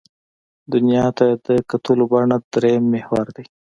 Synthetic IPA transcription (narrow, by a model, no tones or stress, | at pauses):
d̪ʊnjɑt̪ad̪əkat̪ulobɑɳad̪ɾemːehwaɾd̪aj